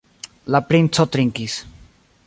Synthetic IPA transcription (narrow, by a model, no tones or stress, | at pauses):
lapɾint͡sɔt̪ɾiŋkis